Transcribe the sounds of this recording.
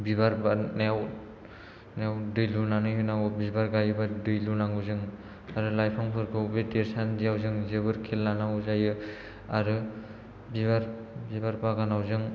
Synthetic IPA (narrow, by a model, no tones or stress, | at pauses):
bibaɾbanaaw | nawdɯjlunanɯjɦɯnawbibaɾɡajɯbadɯjlunaŋɯzɯŋ | aɾɯlajpʰaŋpʰɯɾkʰɯubedeɾsandijawzɯŋzɯbɯɾkʰelnanaŋuzajɯ | aɾɯ | bibaɾ | bibaɾbaɡanawzɯŋ